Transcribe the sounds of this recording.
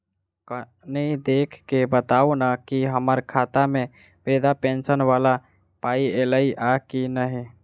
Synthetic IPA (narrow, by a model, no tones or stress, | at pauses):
k | nəid̪ekʰkebət̪aunakiɦəməɾkʰat̪amẽ | bed̪apẽnsənʋala | paieləiʔakinəɦi